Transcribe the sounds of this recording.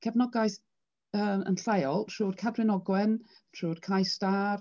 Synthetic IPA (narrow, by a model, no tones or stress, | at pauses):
kʰɛvnɔɡajθ | əːmə̰nɬejɔlˠtʰruːd̥kʰadwɪnɔɡwɛn | tʰruːd̥kʰajstaːr